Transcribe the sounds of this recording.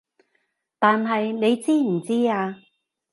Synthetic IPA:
t̪aː˨nɦɐ˨jne˨˧jt͡siː˥m̩˨˩t͡siː˥aː˧

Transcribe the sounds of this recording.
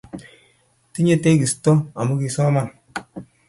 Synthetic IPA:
ti˦ɲe˦te˦ki˨sto˦a˨mo˦ki˨sɔ˦ma˦˨n

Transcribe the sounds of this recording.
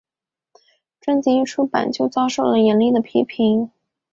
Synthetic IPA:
ʈ͡ʂwa˥nt͡ɕi˧˥i˥˩ʈ͡ʂʰu˥pa̰˨˩nt͡ɕjo˥˧ʊt͡sɑ˥ʊʂo˥˩ʊlə˩jɛ˧˥nli˥˩d̪ə˩pʰi˧˥pʰi˧˥ŋ

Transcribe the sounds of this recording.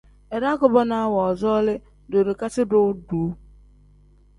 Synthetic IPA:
e˨ɾa˦ɡʊ˦˨bɔ˦na˨˦wɔ˨ɔ˨zɔ˦lɪ˦ | do˨ɾe˨ka˦t͡ʃɪ˦dʊ˦du˨˦

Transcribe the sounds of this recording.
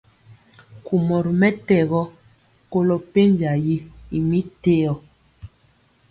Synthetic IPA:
ku˨mɔ˨ɾmɛ˦tɛ˦˨ɣɔ˦ | ko˦lɔ˦pe˦n˦d͡ʒa˨ji˦i˨mi˦te˦ɔ˨

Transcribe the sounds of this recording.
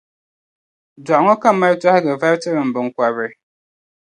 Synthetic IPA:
dɔ˨ʔŋɔ˦ka˦ma˦ɾta˦hɡɛ˨va˦ɾtɨ˦ɾɨ˨m̩˨bɨ˨ŋ̩˨kwa˨bɛ˨

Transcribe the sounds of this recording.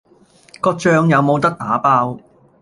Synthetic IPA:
kɔː˧˥k̚t͡ʃœː˧ŋjɐ˨˧wmo˨˧wt̪ɐ˥k̚t̪aː˨˥paː˧˥w

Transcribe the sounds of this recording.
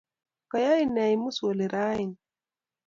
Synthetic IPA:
ka˨ja˦i˦nɛ˨jmu˦so˨li˨ɾa˦i˨n

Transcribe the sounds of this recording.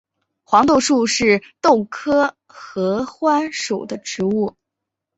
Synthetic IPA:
xwɑ˧˥ŋt̪o˥˧ʊʂu˥˧ʂɻ̩˥˧t̪o˥˩ʊkʰɤ˥ | xɤ˧˥xwa˥nʂo˨˩ʊd̪ə˦ʈ͡ʂɻ̩˧˥u˥˩

